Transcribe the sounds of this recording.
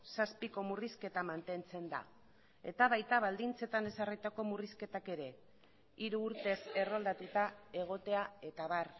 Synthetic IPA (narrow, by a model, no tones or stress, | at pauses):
saspiko̞muriske̞t̪amant̪e̞nt͡se̞nd̪a̰ | e̞̰t̪aβajt̪aβald̪int͡se̞t̪ane̞sarijt̪ako̞muriske̞t̪ake̞ɾe̞ | iɾuːɾt̪e̞se̞rold̪at̪ut̪ae̞ɣ̞o̞t̪e̞ae̞t̪aβ̞ar